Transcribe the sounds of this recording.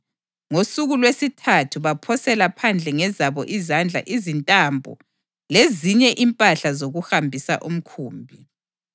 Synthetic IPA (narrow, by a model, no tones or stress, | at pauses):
ŋosuɣulwesitʰatʰuβapʰɔsɛlapʰand͡ɮʱɛŋɛzaβɔʔizand͡ɮʱa̰ʔizintʼambʱɔ̰ | leziɲɛʔimpʼaɬazoɣuhambʱisa̰ʔum̩kʰuːmbʱi